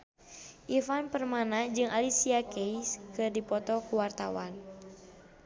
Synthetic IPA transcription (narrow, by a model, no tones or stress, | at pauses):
ʔifanpərmanad͡ʒɨŋʔalisiakɛiskɨrdipɔt̪ɔkuwart̪a̰wan